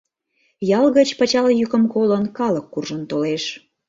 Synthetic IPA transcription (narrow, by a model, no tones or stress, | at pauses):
jɑlɣət͡ɕpɑt͡ɕɑljykəmkolənkɑləkːurʒənt̪oleʃ